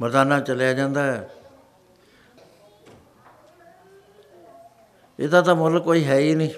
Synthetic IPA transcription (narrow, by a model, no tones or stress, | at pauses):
məɾd̪aːnãːt͡ʃəljaːd͡ʒãːnd̪aːɦɛː | ɪd̪ãːt̪ãːmʊlkːoːiːɦɛːiːnĩː